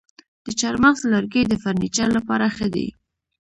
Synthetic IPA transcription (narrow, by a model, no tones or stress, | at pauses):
d̪̥ət͡ʃɑɾmaxzlaɾɡəjd̪əfaɾnit͡ʃallapɑɾaxəd̪ḛ